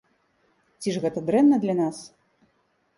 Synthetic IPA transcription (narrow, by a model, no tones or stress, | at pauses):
t͡sʲiʐɣɛt̪ɐd̪ɾɛnːɐd̪lʲɐnas